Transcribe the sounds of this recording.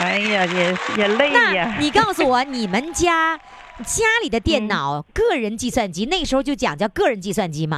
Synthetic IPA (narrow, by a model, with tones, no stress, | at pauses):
a˥ɪja˧˩jɛ˨˩jɛ˨˩le˥˧ɪna˥˩˧a˨˩ni˨˩kɑ˥˩ʊsu˧˨˩wɔ˨˩ni˨˩mə˦nt͡ɕja˥ | t͡ɕja˥li˨˩d̪ə˦t̪jɛ˥˩nnɑ˨˩˦ʊkɤ˥˩ɻə˧˥nt͡ɕi˥˧swa˥˩nt͡ɕi˥ne˥˩əʂ̩˧˥xt͡ɕjo˥˩ʊt͡ɕjɑ̰˨˩ŋt͡ɕjɑ˥˧ʊkɤ˥˩ɻə˧˥nt͡ɕi˥˧swa˥˩nt͡ɕi˥mɐ̰˨˩